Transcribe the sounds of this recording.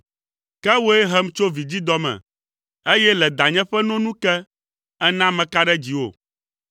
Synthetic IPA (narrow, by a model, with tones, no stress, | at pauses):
kɛ˦wo˦e˦ɦɛ˦mt͡ʃo˦vi˨d͡ʑi˦d̪ɔ˦mɛ̰̃˨ | e˦jɛ˦lɛ˨d̪a˨ɲɛ̃˦ɸɛ˦nɔ̃˦nũ˦kɛ˦ | ɛ˦nã˦mɛ̃˨ka˦ɖɛ˦d͡ʑi˨wo̰˨